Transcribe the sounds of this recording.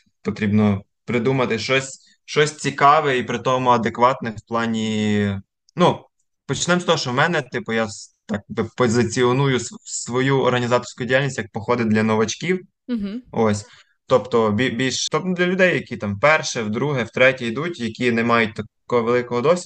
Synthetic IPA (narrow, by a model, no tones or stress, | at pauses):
pɔt̪ɾʲibnɔ | pɾɪd̪umɐt̪ɪʃt͡ʃɔsʲ | ʃt͡ʃɔsʲt͡sʲikɑʋɛipɾɪt̪ɔmʊɐd̪ekʋɑt̪nɪwplˠɑnʲi | nu | pɔt͡ʃnɛmst̪ɔɦɔʃɔmɛnɛt̪ɪpʊjat̪ɑk̚bɪpɔzɪt͡sʲiɔnujʊssʋɔjuɔ̰rɦɐnʲizɑt̪ɔ̥rsʲkʊjʊdʲijalʲnʲisʲtʲjɐk̚pɔxɔd̪ɪdlʲɐnɔʋɐt͡ʃkʲiw | ɔsʲ | t̪ɔpt̪ɔbʲibʲilʲʃt̪ɔpnʊd̪lʲɐlʲʊd̪ɛjːɐkʲit̪ɑmpɛrʃɛwd̪ɾuɦɛwt̪ɾɛtʲɛid̪utʲjɐkʲinɛmɑjʊt̚ʲt̪ɐkɔɦɔʋelˠɪkɔɦɔd̪ɔsʲ